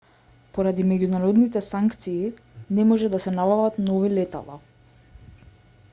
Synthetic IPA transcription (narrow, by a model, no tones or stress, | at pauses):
poɾad̪imɛɟunaɾɔd̪nit̪ɛsaŋkt̪siːnɛmɔʒɛd̪asɛnabavat̪nɔvilɛt̪a̰lˠa̰